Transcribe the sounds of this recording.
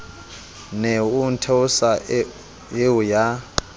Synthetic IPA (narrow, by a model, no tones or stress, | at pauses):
nɛuntʰɛusa | jewuja